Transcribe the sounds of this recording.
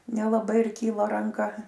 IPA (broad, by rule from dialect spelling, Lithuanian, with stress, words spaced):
nʲɛlˠɐˈbɐɪ ɪr ˈkʲiːlˠɐ rɐŋˈkɐ